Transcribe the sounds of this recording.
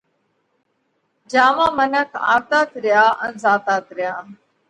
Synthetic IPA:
d͡ʒaːʋãːmənəkʰa̰ːt̪aːt̪ɾɪjaːʔə̰nzaːt̪aːt̪ɾɪjaː

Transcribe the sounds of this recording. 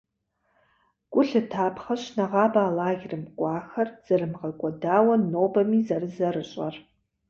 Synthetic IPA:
ɡ̥ʷʼʊɬɨtʰaːpʰχɐɕnaʁɑːbaːlaːɣʲrɨmkʷʼɑːxɐrz̥ɐrɨmʁɐkʷʼɔdaːwɐnoːbɐmiːzɐrɨzɐrɨɕʼɐ̰r

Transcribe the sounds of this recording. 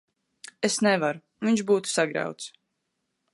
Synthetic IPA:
esnɛvaɾu | viɲʃbuːt̪u̥saɡɾa̰wt̪s

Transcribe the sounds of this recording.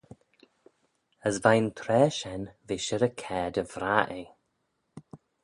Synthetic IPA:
əzvajnt̪ʰɾɛːʃɛnviːʃəɾəkʰɛːd̪əvɾaʔe

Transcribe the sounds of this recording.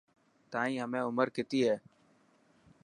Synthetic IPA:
t̪ãːĩːɦəmẽːʊməɾkɪt̪iːɦeː

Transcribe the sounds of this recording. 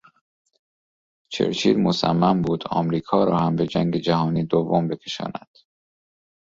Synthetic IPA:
t͡ʃʰe̞̰ɾt͡ʃʰḭːd̪mosæ̰mːæmbuːd̪ɒ̰ːmɾiːkʰɒːɾɒːhæmbe̞d͡ʒæŋɟe̞d͡ʒæhɒːniːd̪ovːombe̞kʰe̞ʃɒ̰ːnæd̪̥

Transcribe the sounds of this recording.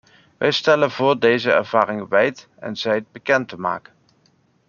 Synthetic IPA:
ʋʔɛ̰jstɛlənvʊːɹdejzəɛ̰ɹv̥aːɾɪŋʋɛjt | ɛ̰nzɛjt̚bəkɛntəma̰ːkən

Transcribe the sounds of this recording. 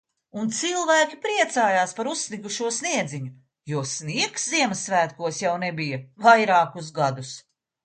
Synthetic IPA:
unt̪silˠvæːkʲipɾiɛt̪saːjaːspaɾussːniɡuʃuɔsniɛd̪ziɲu | juɔsniɛksziɛmɐsːvæːt̪̚kuɔsjawnɛbijɐvajɾaːkus̬ɡad̪us

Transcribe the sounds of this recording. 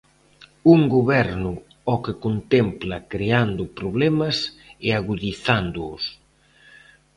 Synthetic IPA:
uŋɡoβɛɾnʊ | ɔkekont̪ɛmplɐkɾeand̪ʊpɾoβ̞lɛmɐs | ɛaɣuðiθand̪ʊʊ̰s

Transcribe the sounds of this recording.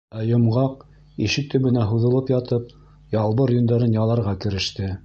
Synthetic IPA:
æjŏmʁɑq | iʃɘk̚t̪ɵ̆βɘ̆næɦuðɤ̆lˠɤpjɑt̪ɤp̚ | jɑlˠβɤɾjɵ̆nd̪æɾɤnjɑlˠɑɾʁɑkɘ̆ɾɘ̆ʃt̪ɘ

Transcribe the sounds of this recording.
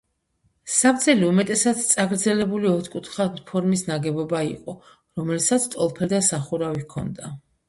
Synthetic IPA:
sapd̪zʰɛliumɛt̪ʼɛsad̪t̪sʼaɡɾd̪zɛlɛbuliɔt̪ʰkʼut̪ʰχanpʰɔɾmisnaɡɛbɔbaḭqʼɔ | ɾɔmɛlsat̪sʰt̪ʼɔlˠpʰɛld̪asaχuɾavikʰɔ̰nd̪a

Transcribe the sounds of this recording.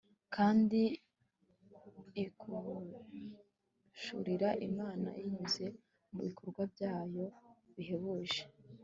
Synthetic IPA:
kʰaːndi | kʰu | ʃṵɾiɾaʔḭmaːna̰ʔjiɲuze̞ | muβikʰoɾɡwabjaːjo̞βiɦe̞βuʒe

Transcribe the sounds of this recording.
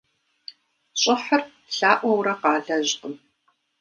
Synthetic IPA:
ɕʼɪħər | ɬaːʔʷɐwɾɐqɑːɮɐʑqəm

